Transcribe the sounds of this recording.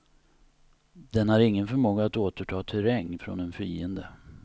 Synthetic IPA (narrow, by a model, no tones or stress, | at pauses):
d̪̥ɛnhaɾɪŋːənfœmoːɡaːt̪oːt̪əʈʰɑːt̪ʰɵɾɛŋːfɾɔ̰nɛnfiːənd̪ə